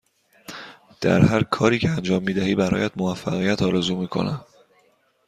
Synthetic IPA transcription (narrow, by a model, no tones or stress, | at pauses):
d̪̥æ̰ɾhæɾkʰɒːɾiːcʰeænd͡ʒɒːmːiːd̪æhiːbæɾɒ̰ːjæd̪movæfːæɣijæt̪ʰɒːɾezuːmiːkʰo̞̰næ̰m